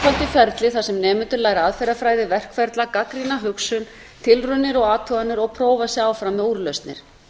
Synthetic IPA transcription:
ɔl̥t̪ɪfɛɾt̪lɪθasɛmnɛːmɪnt̪ʏɾlaːjɾaðfɛɾafɾaːjðɪvɛr̥kfɛɾt̪lakakɾinaɦʏksʏn | t̪ʰɪlrʏnːɪɾɔɣaːt̪ʰʏanɪɾɔɣpʰɾoːwvasjɛaːwfɾamːɛuːɾlœst̪nɪ̰ɾ̥

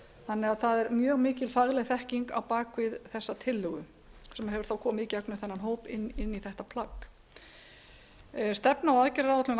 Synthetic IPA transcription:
θanːɛɣaðθaðɛɾmjœːɣmɪːcɪlfaɣlɛɣθɛhciŋka̰wpaːkvɪðθɛsːat̪ʰɪlːʏɣʏ | sɛmaɦɛvʏɾ̥θawkʰɔːmɪðicɛknʏθɛnːanɦoːwpɪnːɪnːiθɛht̪apʰl̥akː | st̪ɛpnaawaðcɪɾːawɛt̪lʏn

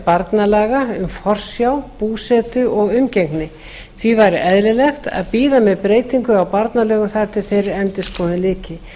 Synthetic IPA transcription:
paɾt̪nalaːɣaʏmfɔr̥sjawpuːsɛːt̪ʏʔɔɣʏmcɛŋknɪ | θvivaːjɾɪʔɛðlɪlɛxt̪a̰ðpiːðamɛðpɾeːjt̪iŋkʏawpaɾt̪nalœːɣʏmθaɾ̥t̪ʰɪlθejɾɪɾɛnt̪ɪskʰɔːnɪlɪːcɪ

